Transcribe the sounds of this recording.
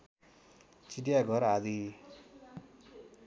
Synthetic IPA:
t͡siʈijaɡʱʌɾad̪i

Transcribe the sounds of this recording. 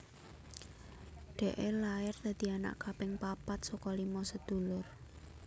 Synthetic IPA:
ɖ̪̥ɛ̤ʔelaɪrd̪̥a̤d̪̥i̤ana̰ʔkapɪŋpapat̪̚sɔkɔlimɔsəd̪̥ṳlʊr

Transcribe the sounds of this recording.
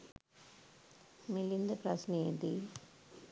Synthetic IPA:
milind̪ɐpɾɐsniːd̪i

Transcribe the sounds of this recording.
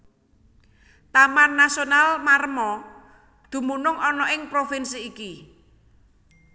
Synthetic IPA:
t̪amanːasionalmaɾəmɔ | d̪̥ṳmunʊŋɔnɔʔɪŋpɾofɪnsiːki

